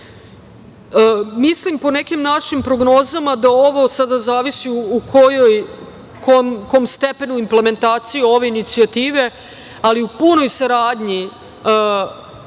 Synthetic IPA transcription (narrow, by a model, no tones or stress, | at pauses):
mislimpo̞ne̞kimnaʃimpɾo̞ɡno̞ːzamad̪ao̞ʋo̞sad̪azaːʋisiuukʰojoj | komkomst̪e̞pe̞nuimple̞me̞nt̪aːt̪sijuo̞ʋe̞init̪siat̪iːʋe̞ | aliupuno̞jsaɾaːd̪ɲi